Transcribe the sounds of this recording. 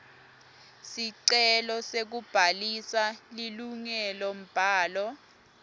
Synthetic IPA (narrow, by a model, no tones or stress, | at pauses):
siǀɛlɔsek̬ub̥ʱalisaliluŋɛlɔm̩b̥ʱaːlɔ